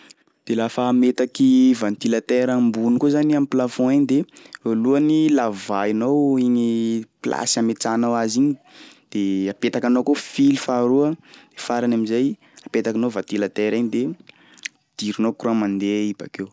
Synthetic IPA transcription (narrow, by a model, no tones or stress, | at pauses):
d̪̥elafaːmet̪akivãnt̪ilat̪eɾambunikuzaniamiplafɔ̃eɲid̪eoluanilavainowiɲipla̰samet͡sanawaziɲi | d̪̥eapet̪akanowkofilifaɾuəd̪̥efaɾanamizaj | apet̪akanovant̪ilat̪eɾaɲid̪e | d̪̥iɾinokuɾuamãnd̪eiba̰kew